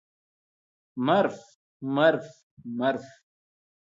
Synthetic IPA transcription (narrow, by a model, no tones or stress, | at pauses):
mɐɾf | mɐɾf | mɐɾf